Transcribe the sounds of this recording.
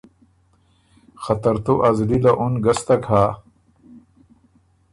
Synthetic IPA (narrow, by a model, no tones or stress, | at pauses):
xɐt̪ɐɾt̪uʔɐzlilaʔunɡɐst̪akʰaː